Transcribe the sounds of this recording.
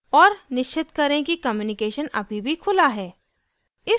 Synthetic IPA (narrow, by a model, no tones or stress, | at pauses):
ɔːɾnɪʃt͡ʃʰːɪt̪kɐɾẽkikɐmjuːnɪkeːʃənɐ̰bʱibʱikʰʊlaɦɛː | ɪ